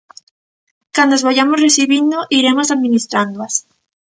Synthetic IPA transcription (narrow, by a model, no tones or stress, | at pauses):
kand̪oazβaʝamosresiβind̪oʔiɾe̞mosaðmĩnist̪ɾand̪oas